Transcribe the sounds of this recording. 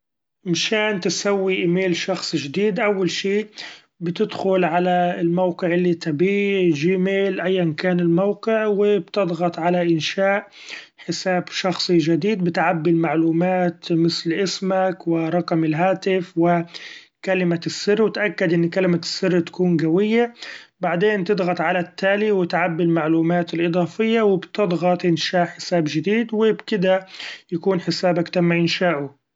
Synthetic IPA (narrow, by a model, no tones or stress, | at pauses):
mʃaːnt̪ɪsawːiʔɪmeːlʃɑxsˤʒɪd̪iːd̪ʔawːalʃiː | bɪt̪ɪd̪xʊlʕalaɪlmawqɪʕɪlːit̪abiːd͡ʒiːmeːlʔajːankaːnɪlmawqɪʕwɪbt̪ɨd̪ˤɣɑt̪ˤʕalaʔɪnʃaːʔ | ħɪsaːbʃɑxsˤiʒɪd̪iːd̪̚bɪt̪ʕabːilmaʕluːmaːt̪mɪθlʔɪsmakwɪɾˤɑqmɪlɦaːt̪ɪfwɪ | kalɪmasːɪrːwɪt̪ʔakːad̪ʔɪnːkalɪmasːɪrːt̪ḁkuːnɡawɪjːabaʕd̪eːnt̪ɨd̪ˤɣɑt̪ˤʕalat̪ːaːliwɪt̪ʕabːɪlmaʕluːmaːt̪ɪlʔɨd̪ˤɑːfɪjːawɪbt̪ɨd̪ˤɣɑt̪ˤʔɪnʃaːʔħɪ̥saːbʒɪd̪iːd̪wɪbkɪd̪ajakuːnħɪsaːbakt̪amːaʔɪnʃaːʔʊ